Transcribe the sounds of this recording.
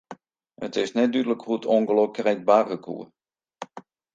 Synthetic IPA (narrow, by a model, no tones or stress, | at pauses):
ətɪsnɛt̚dydələkhuətʰoŋɡəlokrɛt̚baːrəkʰṵə